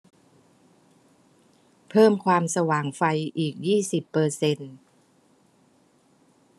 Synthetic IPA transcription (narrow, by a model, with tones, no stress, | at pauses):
pʰɤː˥˩mkʰwaː˧msa˧waː˨˩ŋfa˧jʔiː˨˩k̚jiː˥˩si˨˩pːɤː˧se˧n